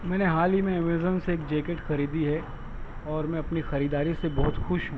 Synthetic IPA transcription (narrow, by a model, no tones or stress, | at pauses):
mɛ̃ːneɦaːlimẽemezənseeːkd͡ʒeːkeʈxɐɾiːd̪iɦɛ | ɔːɾmɛ̃ɐpnixɐɾiːd̪aːɾisebɔɦʊt̪xʊʃɦũː